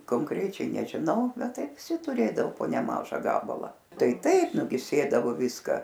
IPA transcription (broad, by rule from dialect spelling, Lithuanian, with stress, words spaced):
koːŋˈkrʲæːt͡ʃʲɛɪ nʲɛʒʲɪˈnɐʊ ˈbʲɛt ˈtɐɪ ʋʲɪˈsʲɪ tʊˈrʲeːdɐoː poː nʲɛˈmɑːʒɐ ˈɡɑːbɐlˠɑː ˈtɐɪ ˈtɐɪp nʊ ɡʲɪ ˈsʲeːdɐʋoː ˈʋʲɪskɐ